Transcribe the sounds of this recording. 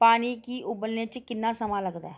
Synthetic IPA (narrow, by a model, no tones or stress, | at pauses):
paːniːkiːʔʊbəlnẽːt͡ʃkɪnːãːsəmãːləɡd̪aː